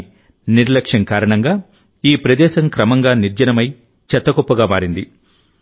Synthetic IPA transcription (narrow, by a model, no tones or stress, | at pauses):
niɾlɐkʂɐŋkaːɾɐɳɐŋɡaː | iːpɾɐd̪ɛːʃɐŋkɾɐmɐŋɡaːniɾd͡ʒɐnɐmɐj | t͡ʃɐt̪ːɐɡopːɐɡaːmaːɾind̪i